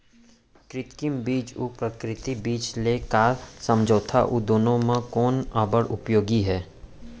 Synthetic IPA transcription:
kɾɪt̪kɪmbiːt͡ʃupɾəkɾɪt̪ibiːt͡ʃleːkaːɾsə̃md͡ʒoːt̪ʰaʔud̪oːnõmãkɔːnaːbəɾʔʊpjoːɡiɦɛː

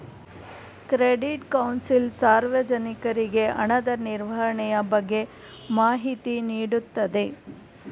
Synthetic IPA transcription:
kɾeɖiʈkɐwnsilsaːɾʋɐd͡ʒɐnikɐɾiɡe̞ʔɐɳɐd̪ɐniɾʋɐɦɐɳɛjɐbɐɡːe̞ | maːɦit̪iniːɽut̪ːɐd̪e̞

